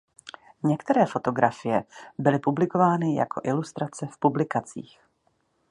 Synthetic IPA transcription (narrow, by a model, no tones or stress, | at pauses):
ɲɛkt̪ɛɾɛːfo̞t̪o̞ɡɾafɪjɛbɪlɪpublɪko̞vaːnɪja̰kʰo̞ʔɪlust̪ɾat͡sɛfpublɪkat͡sḭːx